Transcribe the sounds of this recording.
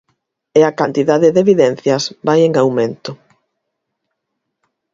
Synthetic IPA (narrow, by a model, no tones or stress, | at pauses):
eakant̪iðaðeðeβiðɛn̟θjɐsbajeŋawmẽnt̪ʊ